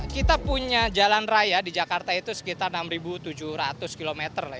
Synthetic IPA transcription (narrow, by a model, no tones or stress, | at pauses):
kit̪apuɲad͡ʒalanrajadid͡ʒakart̪ait̪usə̥kit̪arnamribut̪ud͡ʒʊhɾat̪ʊskilomɛt̪ərla